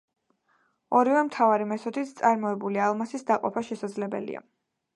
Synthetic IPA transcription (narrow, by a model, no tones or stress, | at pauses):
ɔɾivɛmt̪ʰavaɾimɛsɔt̪ʰit̪ʰt̪sʼaɾmɔɛbulialˠmasisd̪aqʼɔpʰaʃɛsad̪zlɛbɛ̰lḭa̰